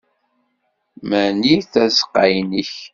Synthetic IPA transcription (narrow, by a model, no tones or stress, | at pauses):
mæniθæzqːajniç